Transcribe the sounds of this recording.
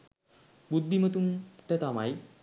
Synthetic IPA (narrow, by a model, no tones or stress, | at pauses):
bud̪ʱːimət̪umt̪ɛt̪amaj